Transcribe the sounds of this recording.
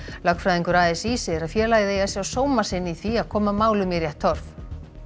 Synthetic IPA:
lakfɾajðiŋkʏɾaðɪsiːsɪɛɾaðfjɛːɾlaːjðɪejðasjawsoːwmasɪnːɪiθiaðkʰɔːmamaːwlʏmjɛɾjɛht̪ʰːɔɾ̥f

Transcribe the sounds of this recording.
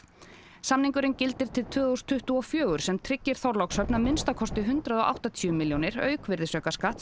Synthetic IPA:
samniŋkʏɾɪncɪlt̪ɪɾ̥t̪ʰɪlt̪ʰvʏːðust̪ʰʏht̪uɔfjœːɣʏɾ̥sɛmt̪ʰɾɪcːɪɾ̥θɔwɾlɔksœpnamɪnst̪akʰɔst̪ɪɦʏnt̪ɾaðɔʔa̰wht̪at̪ʰiʏmɪljɔnɪɾœ̰ːɥkvɪɾðɪsœːkaskat̪

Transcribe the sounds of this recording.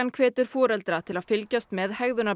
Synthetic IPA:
ankʰvɛːt̪ʏɾ̥fɔːɾɛlt̪ɾat̪ʰɪlaðfɪlcast̪mɛðhɛɣðʏna

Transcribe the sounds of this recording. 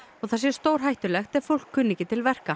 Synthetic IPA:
ɔɣθasjɛ̥st̪owɾ̥ɦajht̪ʏlɛxt̪ɛð̥fowl̥kʰːʏnːicɪt̪ʰɪlvɛr̥ka

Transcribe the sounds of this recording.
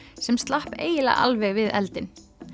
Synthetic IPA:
sɛmst̪lahpeːjɪla̰ʔa̰lvɛɣvɪðɛ̰lt̪ɪn

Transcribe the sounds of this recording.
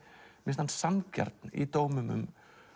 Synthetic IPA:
mɪnst̪ansanca̰ɾt̪nɪ̰t̪oːwmʏmʏ̰m

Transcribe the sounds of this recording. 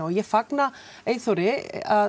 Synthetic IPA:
ɔjɛfakna | eːjθɔwɾɪa

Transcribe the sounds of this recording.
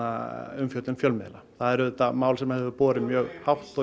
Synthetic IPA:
aʏmfjœwt̪ʏnfjœlmɪðlaθaðɛɾʏðɛt̪ːamaːwlsɛmahɛvʏɾpɔːɾɪmjœːɣhawht̪ɔ

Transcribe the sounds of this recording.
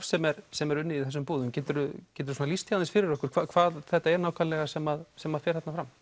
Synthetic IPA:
fsɛmɛɾsɛmɛɾʏnːɪiθɛsːʏmpuːðʏmcɛːt̪ʏɾʏcɛːt̪ʏɾsunalist̪jaaðɪsfɪɾɪɾɔhkʏɾ̥kʰvakʰvaːðθɛht̪aɛɾnaːwkʰallɛɣasɛmaðsɛmaðfjɛɾhɛt̪nafɾam

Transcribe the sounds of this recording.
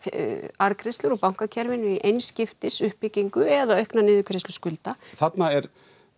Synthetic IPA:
aɾkʰɾejst̪lʏɾɔpawŋ̥kacʰɛɾvɪnʏiʔejnscɪft̪ɪsʏhpːɪciŋkʏɛðaœɥhknanɪːðʏkʰɾest̪ʏ̥skʏlt̪aθat̪naɛɾ

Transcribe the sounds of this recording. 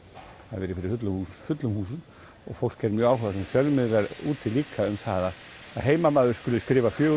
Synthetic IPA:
θa̰ðvɛɾɪfɪɾɪfʏt̪lʏhusfʏt̪lʏmhuːsʏn | ɔ̰ɣfowl̥kːɛɾmjœːaːwɦœðasɛmfjœlmɪðɾaɾuːt̪ʰɪliːkʰaʏmθaːðaː | ðɦeːjmamaːðʏɾ̥skʏːlʏskɾɪːvafjœː

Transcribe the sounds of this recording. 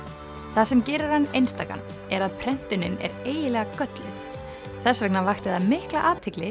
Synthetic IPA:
θasɛmcɪːɾɪɾ̥hanːejnst̪aːka̰nː | ɛɾaðpʰɾɛn̥t̪ʏnːɪnɛ̰ɾeːjɪlɛːɣakœt̪lɪ̰t | θɛsvɛknavajxt̪ɪðamɪhklaʔaːt̪ʰɪklɪ

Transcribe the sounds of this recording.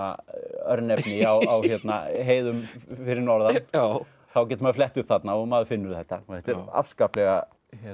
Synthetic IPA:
a̰œɾnɛnɪawawçjɛt̪naɦeːjðʏmfɪɾɪɾnɔɾða | θawcɛt̪ʏmaðflɛht̪ʏhpθat̪naɔɣmaðʏfɪnːʏɾθɛht̪ːaθɛht̪ɛɾa̰fskaːplɛɣa | çɛ

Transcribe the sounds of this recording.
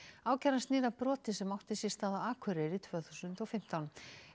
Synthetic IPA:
aːwcaɾanst̪niːðapɾɔːt̪ɪsɛmawht̪ɪsjɛst̪aːðaaːkʰvœɾɪɾit̪ʰvœːθu̥sʏnt̪ɔfɪm̥t̪awn

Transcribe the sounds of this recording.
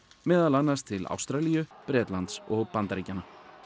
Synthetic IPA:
mɛːðaðlanːast̪ʰɪla̰wst̪ɾaːlijʏpɾɛːt̪lant̪sɔɣpant̪aɾiːcana

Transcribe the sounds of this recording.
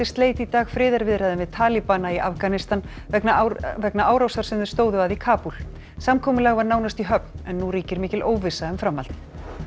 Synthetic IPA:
ɪst̪leːjt̪it̪aːɣfɾɪːðaɾvɪðɾɛðɪmvɪðt̪ʰaːlipanaiʔafkanɪst̪an | ɛknavɛknaaːwɾawsaɾ̥sɪnðʏɾst̪oːwðʏaðikʰaːpul | samkʰɔːmʏlaɣvaɾnaːwnast̪iɦœpn̥ɛnːuɾiːcɪɾmɪːcɪlʔoːwvɪsaɛmfɾamːa̰l̥t̪ɪ̥

